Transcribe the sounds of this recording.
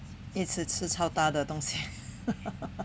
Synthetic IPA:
it͡sʰɹ̩ʈ͡ʂʰɻ̩t͡sʰɑʊt̪ad̪ət̪ʊŋɕi

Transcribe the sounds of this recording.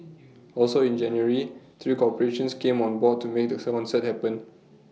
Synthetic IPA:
ɔlsoĩnd͡ʒɛ̃njuəɹit̪ʰɹikɔpəɹeʃə̃nskẽmɔ̃nbɔd̚tʰːumek̚dəsɛkɔ̃nsɛt̚hɛpə̃n

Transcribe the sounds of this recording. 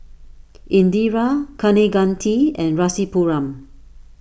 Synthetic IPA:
ʔĩndiɹakʰaneɡãntʰiɛ̃nɹasipuɹãm

